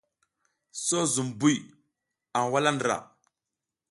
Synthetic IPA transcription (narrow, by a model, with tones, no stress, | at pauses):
so˦zu˨mbu˦j | a˨n˨wa˦la˦ndɾa̰˨